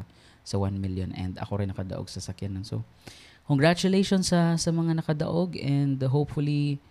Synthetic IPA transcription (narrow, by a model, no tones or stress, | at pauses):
sɐwanmiljonʔɛ̰nd̪ɐ̰ko̞ɾɪnːɐkɐd̪ɐ̰ʔoɡ̚sɐsɐkjanːonso̰ | koŋɡɹat͡ʃʊlejʃonsɐsɐmɐŋanɐkɐd̪ɐ̰ʔo̞ɡɛnd̪ɦowpfʊli